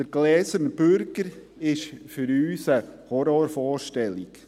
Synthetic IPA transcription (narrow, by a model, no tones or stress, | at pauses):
d̥əɾɡlɛːsəɾnb̥øɾɡəɾ | ɪʃfʏɾyːsəhɔɾɔːɾfɔːɾʃtɛlik